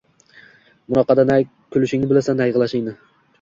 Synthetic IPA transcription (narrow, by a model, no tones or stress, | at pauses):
mʊnɒqɑd̪anaj | kʲʰʊlɪʃɪŋnɪbɪlasanajʁlˠaʃɪŋnɪ